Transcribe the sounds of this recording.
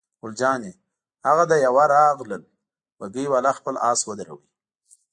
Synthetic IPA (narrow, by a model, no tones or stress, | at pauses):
ɡʊld͡ʒɑnje | haɣad̪ajawaɾɑɣləl | waɡəjwalaxpəlʔɑːswəd̪aɾa̰wi